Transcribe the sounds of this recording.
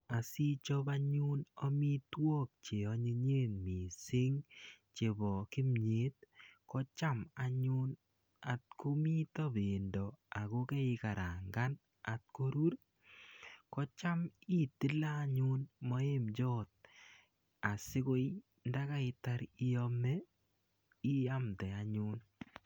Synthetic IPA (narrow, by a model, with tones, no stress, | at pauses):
a˨si˦t͡ʃɔ˦ba˦ɲʊ˦nɔ˦mi˦twɔ˦k̚t͡ʃe˨ɔ˨˦ɲe˦ɲe˦nmi˨sɪ˦ŋ | t͡ʃe˨bɔ˨kɪ˦mɲe˦t̚kɔ˦t͡ʃa˦ma˨ɲʊ˦n | a˨t̚ko˦mi˦tɔ˦be˨ndɔ˨a˨ko˦kɛ˦ɪ˧ka˨ɾa˨ŋɡa˦n | a˨t̚ko˦ɾu˦ɾ | kɔ˦t͡ʃa˦mi˦ti˦laː˦ɲʊ˦nmɔ˦e˦md͡ʒɔː˦t̚ | a˨sɪ˦ko˦j | nda˦ka˦ɪ˧ta˦ɾi˦jɔ˦mɛ˦ | i˦a˦mtɛ˨a˨ɲʊ˦n